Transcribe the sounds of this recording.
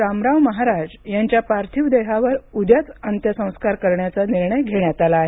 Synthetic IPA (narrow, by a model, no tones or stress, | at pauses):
amɾaʋməɦaɾad͡zjaɲt͡ɕjapaɾt̪ʰiʋd̪eɦaʋəɾud̪jat͡sənt̪jəsə̃w̃skaɾkəɾɳjat͡saniɾɳəjɡʱeɳjat̪alaːɦe